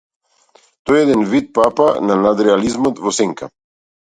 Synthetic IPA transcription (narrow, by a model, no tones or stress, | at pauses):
t̪ɔjɛd̪ɛnvit̪̚papananad̪ɾɛalizmɔt̪vɔsɛŋkʰa̰